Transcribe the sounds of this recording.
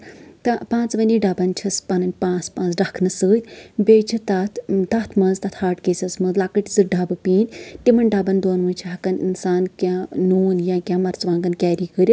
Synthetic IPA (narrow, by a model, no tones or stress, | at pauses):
t̪ɐpãːt͡sʋɐniɖɐbɐnt͡ʃʰɐspɐnɐnʲpãːt͡spãːnt͡sɖɐkʰnɨsəːt̪ʲbʲeːt͡ʃʰit̪ɐt̪ʰd̪ɐt̪ʰmɐnzt̪ɐt̪ʰhaːʈkeːsʲɐsmɨzlaːkəʈizɨɖɐbɨpiːnʲt̪imɐnɖɐbɐnd̪oːnʋɨnʲt͡ʃʰiɦɐkɐninsaːnkʲãnoːnjãkʲãːmɐɾt͡sʋãːŋɡɐnkʲɛːɾiːkəɾʲi